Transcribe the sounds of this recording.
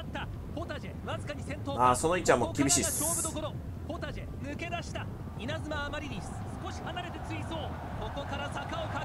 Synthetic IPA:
t̪ːa | po̞t̪aʑeβazɨkaɲ̟isẽ̞nt̪oːaso̞noit͡ɕãmːokʲibʲiɕiːɕo̞ːbɯ̟d̪o̞ko̞ɾo̞ | po̞t̪aʑemɯ̟ke̞d̪aɕi̥t̪a | inazɨmaːmaɾʲiɲʲi | sɨ̥ko̞ɕi̥hanaɾe̞t̪e̞t͡sɨiso̞ː | ko̞ko̞kaɾasakaoka

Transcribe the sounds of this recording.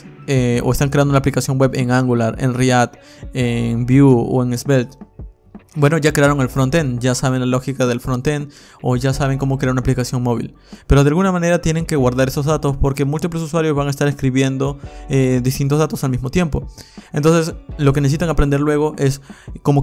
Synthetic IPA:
eo̰e̞st̪aŋkɾeand̪ounaplikasjo̞ŋwe̞βe̞ŋaŋɡulaɾe̞̰nriat̪ | eŋbjuo̰e̞ŋezβelt̪ | bwe̞no̞ʝakɾeaɾo̞ŋe̞lfɾont̪enɟ͡ʝasaβe̞nlalo̞xikaðe̞lfɾont̪en | o̞ʝasaβ̞e̞ŋko̞mokɾeaɾunaplikasjo̞ŋmo̞β̞ḭl | pe̞ɾoðealɣunamãne̞ɾat̪je̞ne̞ŋke̞ɣwaɾðaɾe̞sozðat̪o̞spoɾke̞mult̪iplesuswaɾjo̞zβaŋaest̪aɾeskɾiβje̞nd̪o̞ed̪ist̪int̪o̞zðat̪o̞salmizmo̞t̪je̞mpo̞ent̪o̞nse̞slo̞kenesesit̪aŋapɾend̪eɾlwe̞ɣ̞o̞ʔe̞sko̞mo̞

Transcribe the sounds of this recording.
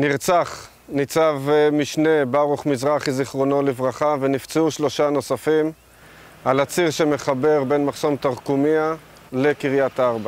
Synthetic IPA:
niʁt͡saχ | nit͡savmiʃne̞baʁuχmizʁaχiziχʁo̞no̞livʁaχavenift͡seuʃlo̞ʃano̞safim | alat͡siʁʃeme̞χabe̞ʁbenmaχso̞mt̪aʁkumia | lekiʁjat̪aaʁba

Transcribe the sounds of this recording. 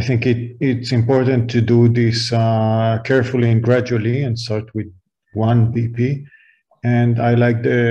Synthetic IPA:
ajθɪ̃ŋkɪtɪtsɪ̃mpɔɹt̪ə̃nt̪ʰːudud̪ɪs | kʰɛɹfulˠiɛ̃nɡɹæd͡ʒuəliɛ̃nstɑɹt̪wɪd̚ | wʌ̃nbipi | ɛ̃ndajlajk̚d̪ɨ

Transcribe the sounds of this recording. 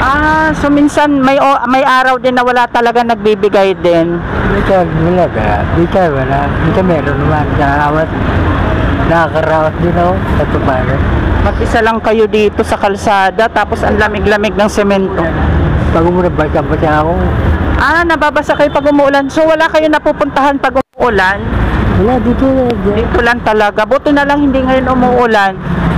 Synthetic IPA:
ʔasominsɐnmɐjʔomɐjʔaːɾɐwd̪ɪnːɐwɐlat̪ɐlɐɡanɐɡ̚bibɪɡajd̪ɪnbɪkaɡkɐlaɡa̰bɪkawɐlad̪ɪkamɛːɾonɐmankaɾaːwat | nɐkɐɾaːwɐsd̪ɪnosɐt̪ʊpaːnomɐɡ̚ʔɪsalɐŋkɐjo̞d̪iːt̪o̞sɐkɐlsaːd̪ɐt̪aːpo̞sʔɐnlɐmɪɡlɐmɪɡ̚nɐŋsɛmɛnt̪o̞pɐɡʊmʊlanbasabɐsakoʔanɐbabasakɐjopɐɡʊmʊʔlansowɐlakɐjonɐpuːpʊnt̪ɐɦanpɐɡʊmʊʔʊlanwɐlad̪it̪olaɡd̪it̪ʊlant̪ɐlɐɡabʊt̪ɪnɐlaŋhɪnd̪iŋɐjonʔʊmʊʔʊlan

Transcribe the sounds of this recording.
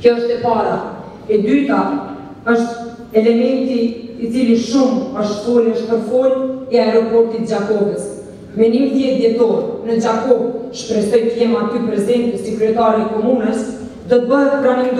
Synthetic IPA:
kjɔəʃt̪ɛpaɾa | ɛd̪yt̪a | əʃt̪ | ɛlɛmɛnt̪iːt͡siliʃuməʃt̪suɾɛʃpəɾfɔlɛaɾɔpɔɾt̪it̪əd͡ʑakɔɡəs | mɛnimt̪jɛt̪d̪jɛt̪ɔɾnəd͡ʑakɔɡ̚ʃpɾɛsɔjt̪əjɛmat̪ypɾɛzɛnt̪əsikɾɛt̪aɾikɔmunəs | d̪ɔt̪əbəɦɛt̪ɡɾanind̪

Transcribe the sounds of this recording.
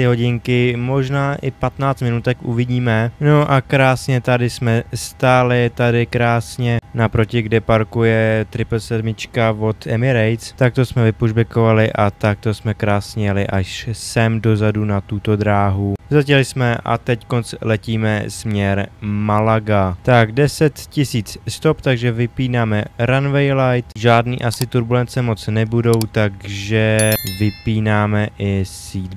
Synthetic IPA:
ɪɦo̞ɟɪŋkɪmo̞ʒnaːʔɪpat̪naːt͡st̪mɪnut̪ɛkʔṵvɪɟiːmɛnoʔakɾaːsɲɛt̪adɪsmɛst̪aːlɪt̪adɪkɾaːsɲɛnapɾo̞cɪɡdɛpaɾkujɛt̪ɾɪpɛlsɛdmɪt͡ʃkavo̞t̪ɛmɪɾɛjt͡st̪ak̚t̪o̞smɛvɪpuʒbɛko̞valɪʔat̪ak̚t̪o̞smɛkɾaːsɲɛjɛlɪʔaʃsɛmdo̞zadunat̪ut̪o̞d̪ɾaːɦuzacɛlɪsmɛʔa̰t̪ɛcko̞nt͡slɛciːmɛsmɲɛɾmalaɡat̪aɡdɛsɛt̪cɪsiːt͡sst̪o̞pt̪aɡʒɛvɪpiːnaːmɛɾanvɛjlajt̪ʒaːdnḭːʔasɪt̪uɾbulɛnt͡sɛmo̞t͡snɛbudo̞wt̪aɡʒɛvɪpiːnaːmɛʔɪsiːd̪

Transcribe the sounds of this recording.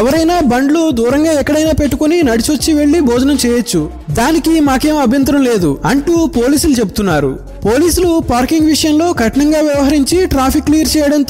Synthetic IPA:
ɛʋɐɾɐjnaːbɐɳɖlud̪uːɾɐŋɡaːɛkːɐɽɐjnaːpe̞ʈːukuninɐɽit͡ʃot͡ʃːiʋe̞ɭːibɔːd͡ʒɐnɐmt͡ʃɛːjɐt͡ʃːu | d̪aːnikimaːke̞ːmuɐbʱjɐnt̪ɐɾɐmle̞ːd̪uɐɳʈupo̞ːliːsulut͡ʃe̞bu̥t̪unːaːɾṵ | poːliːsulupaːɾkiŋɡʋiʂɐjɐmlo̞ːkɐʈɐɳɐŋɡaːʋjɐʋɐɦɐɾiɲt͡ʃiʈɾaːpʰikːlijɐɾt͡ʃɛːjɐɽɐnt̪

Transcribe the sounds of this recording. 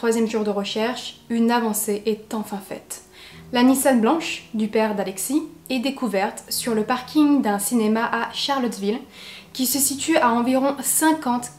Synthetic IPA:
χwazjɛmʒuʁd̪əʁəʃɛʁʃynavɑ̃seʔɛt̪ɑ̃fɛ̃fɛ̰t̪ | lanisanblɑ̃ʃd̪ypɛʁd̪alɛksiɛd̪ekuvɛʁt̪syʁləpaʁkʲiŋd̪ɛ̃sinemaʔaʃaʁlɔt̪vilkʲisəsit̪yaɑ̃viʁɔ̃sɛ̃kɑ̃t̪

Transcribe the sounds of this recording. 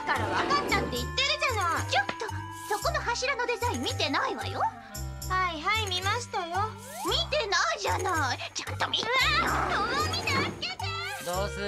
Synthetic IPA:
kaɾaβakanːãnt̪eit̪ːeɾɯd͡ʑanat͡ɕot̪ːo | so̞ko̞no̞haɕiɾanod̪e̞zaĩmmʲːit̪e̞naiβa̰jo | haiɦaimʲimaɕi̥t̪ajo | mʲit̪e̞naiʑanait͡ɕãnt̪o̞mʲiɾajosoamʲinaked̪ɨd̪oːzɨ

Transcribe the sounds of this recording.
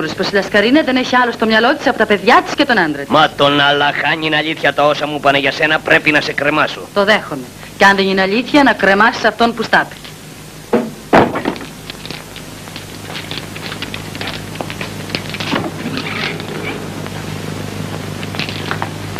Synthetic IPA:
uɾosposilɐskɐɾinɐðe̞neçiɐlo̞st̪o̞mɲɐlo̞t̪i̥sɐpot̪ɐpe̞ðʝɐt̪i̥sce̞t̪o̞nɐnd̪ɾemɐt̪o̞nɐlɐxɐɲinɐʎiθçɐt̪ɐo̞sɐmupɐneʝɐse̞nɐpɾepinɐse̞kɾe̞mɐsot̪o̞ðe̞xome | ceɐnðenineɐʎiθçɐnɐkɾe̞mɐsi̥sɐft̪o̞npust̪ɐt̪i̥ce̥

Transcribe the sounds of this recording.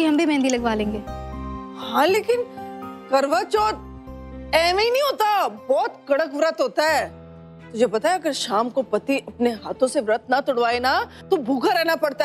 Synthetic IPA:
iɦɐ̃mbʱimɛ̃ːnd̪ilɐɡʋaːlẽːŋɡeːhãleːkɪnkɐɾʋat͡ʃɔːt̪̚ | ɛːmeinɐ̃ĩɦoːt̪abɔːt̪kɐɽəkʋɾət̪ɦoːt̪aɦɛː | t̪ʊd͡ʒʱepɐt̪aɦɛɐɡəɾʃaːmkopɐt̪iʔɐpneɦaːt̪õseʋɾət̪nat̪ʊɽʋaːena | t̪obʱuːkaɾɛɦnapɐɽt̪a

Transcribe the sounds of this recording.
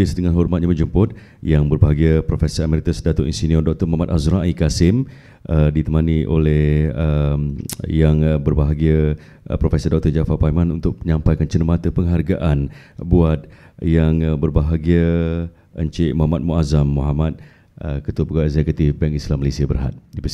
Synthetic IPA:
ɪsdəŋanɦɔrmat̪̚ɲaməd͡ʒumpʊt̪̚ | jaŋbərbaɦaɡiəpɾofɛsəɾamɛɾit̪asədat̪oʔḭnsiniɔrdɔk̚t̪ɔmaɦamat̪̚azɾaʔikasɪm | ʔədit̪əmaniʔo̰lɛhəmjaŋbərbaɦaɡiə | pɾofɛsərdɔk̚t̪ɔrd͡ʒafapajmãnunt̪ʊk̚məɲãmpajkant͡ʃənəmat̪əpəŋɦarɡaʔan | buat̪̚jaŋbərbaɦaɡiə | ʔəɲt͡ʃeʔmɔɦamat̪̚muazamːuɦamat̪̚ | əkət̪upəɡaɛkzɛkut̪ifbɛŋislamːəlesiabərɦa̰t̪̚dipəs

